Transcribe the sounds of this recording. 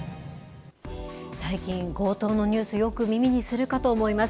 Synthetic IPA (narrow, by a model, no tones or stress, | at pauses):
saikʲĩŋɡo̞ːt̪o̞ːno̞ɲ̟ɨːsɨjo̞kɯ̟mʲimʲiɲ̟isɨɾɯ̟kat̪o̞ːmo̞imas